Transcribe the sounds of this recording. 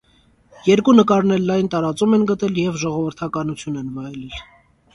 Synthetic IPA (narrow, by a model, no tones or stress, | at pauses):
jɛɾkunəkɑɾnɛɾlɑjnt̪ɑɾɑt͡sumɛnɡət̪ɛljɛvʒɔʁɔvəɾt̪ʰɑkɑnut͡sʰjunɛnvɑjlɛl